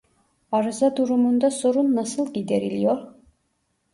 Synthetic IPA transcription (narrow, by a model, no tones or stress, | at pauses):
ɑɾɯzad̪uɾumund̪aso̞ɾunːasɯlˠɟid̪eɾilʲijo̞ɾ